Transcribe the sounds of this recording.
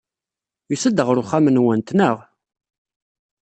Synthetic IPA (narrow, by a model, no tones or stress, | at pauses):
jusəd̪ːəʁɾʊχamənwənt̪nəʁ